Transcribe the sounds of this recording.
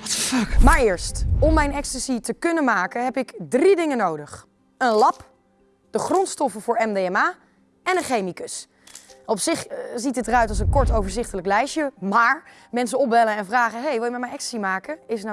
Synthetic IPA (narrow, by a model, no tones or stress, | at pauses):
tfɑkmaːɹɪːɹstɔmːɛjnɛkstəsitəkɵnəmaːkənɦɛpɪkdridɪŋənowdəχ | ənlɑp | d̥əχrɔntstɔfəvʊːɹɛmdeɛmaː | ɛnənχejmikɵs | ɔpsɪχzitətdərœɥtɑlˠs̬ənkɔɹtowvəɹzɪχtələklɛjʃəmaːɹ | mɛnsəɔp̚ʋɛləɛnvraːχəɦejʋɪlˠjəmɛtmɛjnɛkstə̥simaːkəɪsn